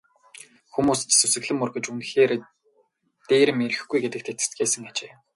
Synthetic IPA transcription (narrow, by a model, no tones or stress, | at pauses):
xumuːs̆t͡ɕsusɘ̆ɣɮɘ̆murɣɘ̆t͡ɕunxeːɾ | t̪eːɾɘ̆meɾɘ̆xɡujɡet̪ɘ̆k̚t̪ʰet̪ɘ̥̆st̪ɡeːsɘ̆ŋat͡ɕeː